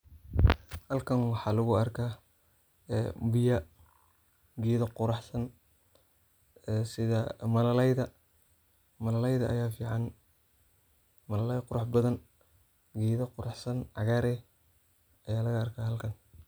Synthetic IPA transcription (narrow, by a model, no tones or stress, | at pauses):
hɐlkʰɐnwɑħɑːlʊɣʊɐrkʰaː | bɪjɐ | ɡiːðɐqʊɾɑħsɐn | sɪðɐmɐlɐlɛjðɐ | mɐlɐlɛjðɐʔɐ̰jaːfiːʕɑn | mɐlɐlɛjqʊɾɑħbɐðɐn | ɡiːðɐqʊɾɑħsɐnʕɑ̰ɣaːɾɛ | ɐjaːlɐɣɐɐrkʰaːhɐlkʰɐn